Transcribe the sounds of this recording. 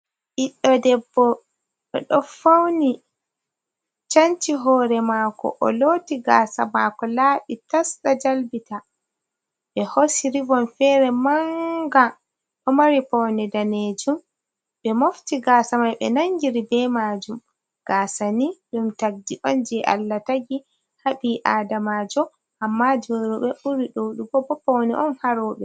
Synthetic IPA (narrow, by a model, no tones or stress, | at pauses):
ʔiɗːɔdɛbːɔ | ɓɛ̰ɗɔfawni | t͡ʃantiɦɔːɾɛmaːkɔ̰ʔɔ̰loːtiɡasamakɔlaːɓitasɗad͡ʒalbita | ɓɛhosiɾivɔnfɛɾɛmaŋɡa | kɔmaɾipɔwnɛdaned͡ʒum | ɓɛmoftiɡaːsamajɓɛ̰naŋɡiɾibɛmaːd͡ʒum | ɡ̥aːsaniɗumtaɡ̚diʔɔnd͡ʒɛʔa̰lːataɡi | haɓiʔaːdamad͡ʒɔ | ʔamːad͡ʒɔɾuɓɛʔuɾiɗowɗubɔbɔpɔwnɛ̰ʔɔnhaɾɔːɓɛ